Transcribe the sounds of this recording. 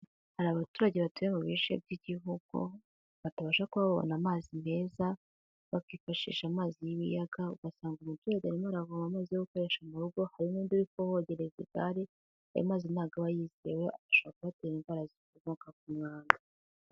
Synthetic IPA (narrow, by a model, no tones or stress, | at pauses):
haɾaβatuːɾaɟe̞βatuemuβiʃḛbɟiɟiɦuɡ̥ṵ | βataβaːʃakuβaββo̰namaːzine̞ːza | βakiːfaʃḭʃamaːzijiβḭjaɡauɡ̥asaːŋɡumutuːɾaɟeaɾimaɾaɡomamaːzijoɡuko̞ɾe̞ʃamuɾuɡo̞haɾimunduɾikohoɟeɾezeɡa̰ɾi | ha̰ɾḭmaːzinaːɡaβajizieweaaʃoβakuβateːɾimvaɾazikoβokak̚umŋaːnda